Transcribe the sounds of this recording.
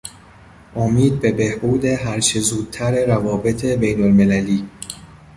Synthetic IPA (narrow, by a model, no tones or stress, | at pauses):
ʔomiːd̪̚be̞be̞hbuːd̪e̞ɦæɾt͡ʃʰezuːd̪̥̚t̪ʰæɾeɾævɒːbe̞t̪ʰebe̞jnolme̞læliː